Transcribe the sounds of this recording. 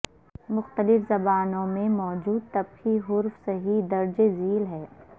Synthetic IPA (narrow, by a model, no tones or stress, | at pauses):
mʊxt̪əlɪfzɐbaːnõmẽmɔːd͡ʒuːd̪̚t̪ɐbxiɦʊɾfseɦid̪ɐɾd͡ʒeziːlɦɛː